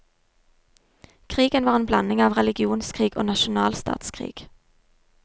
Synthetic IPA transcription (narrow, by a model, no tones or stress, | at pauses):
kʰʁiːɡənʋɑːʁeːnblɑnɪŋɑːʋʁɛlɪɡɪuːnskʰʁiːɡo̰ːnɑʃʊnɑːlst̪ɑ̰ːt̪skʰʁḭːɡ̥